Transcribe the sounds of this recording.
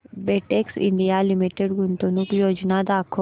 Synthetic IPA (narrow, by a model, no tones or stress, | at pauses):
beʈeksɪ̰ɳɖijalimiʈeɖɡunt̪onukjoːd͡ʒnad̪aːkʰo